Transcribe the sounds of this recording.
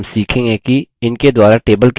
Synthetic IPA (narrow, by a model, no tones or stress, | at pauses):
msiːkʰẽːɡɛ̃kiɪnked̪waːɾaʈeːbəlk